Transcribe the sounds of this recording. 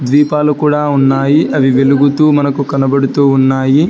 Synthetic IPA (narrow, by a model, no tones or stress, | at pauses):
d̪ʋiːpaːlukuːɽaːunːaːjiʔɐʋiʋeluɡut̪uːmɐnɐkukɐnɐbɐɽut̪uːunːaːji